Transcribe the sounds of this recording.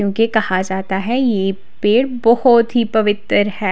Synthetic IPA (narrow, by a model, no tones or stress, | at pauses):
jõːkekɐhad͡ʒaːt̪aɦɛje | peːɽbɔhɔt̪ɦipɐʋɪt̪əɾɦɛː